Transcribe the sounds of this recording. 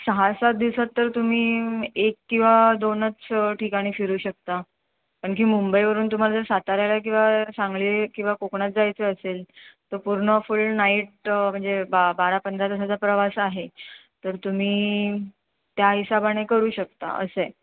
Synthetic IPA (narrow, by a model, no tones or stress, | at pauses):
səɦasat̪̚d̪iʋsat̪ːəɾt̪um̤iːekkːĩw̃ʋad̪onət͡sʈʰikaɽ̃iːfiɾuːɕək̚t̪a | pəɳk̬iːmumbəjʋəɾuːnt̪um̤alad͡z̪əɾsat̪aɾjajlak̬ĩw̃ʋasaŋɡliːkĩw̃ʋakokɳat̪̚d͡zajt͡seəselt̪əɾpuɾɳəfullnaiʈ̚m̤əɳd͡zebabaɾapənd̪ɾad̪isat͡sapɾəʋasaɦet̪əɾt̪um̤iː | t̪jaɦisabaɽ̃ekəɾuːɕək̚t̪a̰ʔə̰səj